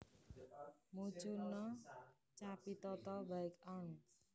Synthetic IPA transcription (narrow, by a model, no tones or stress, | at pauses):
mut͡ʃunːɔ | t͡ʃapit̪ɔt̪ɔbajkanu